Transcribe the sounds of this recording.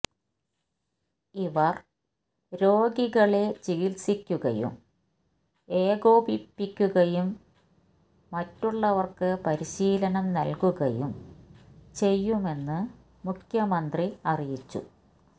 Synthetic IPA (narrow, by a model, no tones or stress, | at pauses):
iʋɐr | ɾo̞ːɡiɣɐɭe̞t͡ɕiɣilsikʲːuɣɐ̰jṵm | e̞ːɡo̞ːbipːikʲːuɣɐjum | ɐtːuɭːɐʋɐrkɨpɐɾiɕiːlɐnɐmnɐlkuɣɐjum | t͡ɕe̞jːume̞nːɨ | mukʰjɐmɐnd̪riɐrijit͡ɕːṵ